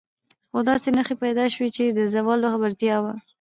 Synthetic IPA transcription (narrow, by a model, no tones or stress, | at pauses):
xod̪ɑsenəxepajd̪ɑʃwit͡ʃed̪əzawɑloxabaɾt̪ijɑwa